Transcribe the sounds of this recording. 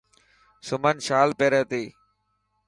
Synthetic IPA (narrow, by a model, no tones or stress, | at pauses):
sʊmənʃaːlpeːɾəːt̪eː